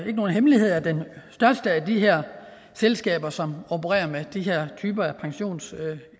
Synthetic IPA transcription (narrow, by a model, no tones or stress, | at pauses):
e̝ɡ̥əno̝ːn̩ɦemlihe̝ð̞̰ˠæɐd̥ensd̥ɶɐsd̥əæd̥iɦɛɐ̰ | selsɡ̥ɛ̰ːb̥ɐsɒ̽mobʰəʁɛ̰ːɐmed̥iɦeɐ̰t͡sʰyːb̥ɐæpʰɑ̈ŋɕo̝̰ːns